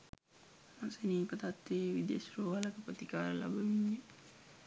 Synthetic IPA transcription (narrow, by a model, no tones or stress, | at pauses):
maseniːpət̪at̪ʋeʋid̪ḛsɾoːʋaləkəpət̪ikaːɾəla̰bəʋiɲːe